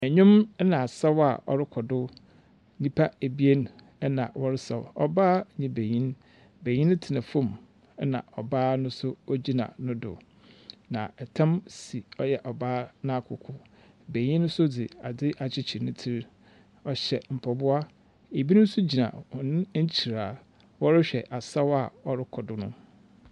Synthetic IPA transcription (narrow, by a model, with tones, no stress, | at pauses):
ɛ˨ɲʊ̃˦mɛ˦nã˨sɛ˦wa˨ɔ̰˨ɾɪ˦kʰɔ˨dʊ˦ | nĩ˦pʰa˦e˨bi˦e˦n˦ | ɛ˦nã̰˨wɔ˦ɾɪ˦sɛ̰˨wɔ̰˦baː˦˨ɲɪ̃˦be˨ɲĩ˦n | be˨ɲĩ˦nʊ̃˦tʰɪ˨nã˨fõ˦˨m | ɛ˦nã̰˨ɔ˨baː˦nʊ̃˦sʊ˦ɔ˦d͡ʑi˦nã̰˨nʊ̃˦dʊ̰˨ | nã̰˨ɛ˨tʰã˦msi˨ɔ˦jɛ˨ʔɔ˨baː˦nã˦kʰʊ̰˨kʰʊ˨ | be˨ɲĩ˦ñ˦sʊ˦dɪ˨a˨dɪ˦ʔa˨t͡ɕʰɪ˦t͡ɕʰɪ˨ɾnʊ̃˦tʰi˦ɾ | ɔ˨ɕɛ˨m̩˨pʰɔ˨bʊ˦a˦ | e˨bi˦nʊ̃˦n̩˦sʊ˦d͡ʑi˨nã̰˨ɔ˨nɪ̃˦ɲ̩˦t͡ɕʰi˨ɾaː˨ | wɔ˦ɾɪ˦ɕᶣɛ˨ʔa˨sa˦wa˨ɔ˦ɾɪ˦kʰɔ˨dʊ˨nʊ̃˦